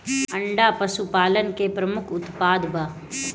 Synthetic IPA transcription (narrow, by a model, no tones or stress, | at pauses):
ɐɳɖapɐsupaːlənkepɾɐmʊkʰʊt̪paːd̪ba